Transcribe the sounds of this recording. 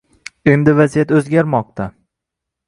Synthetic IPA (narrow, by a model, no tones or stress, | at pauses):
emd̪ɪvazijat̪ɵzɡʲaɾmɒq̚t̪ʰa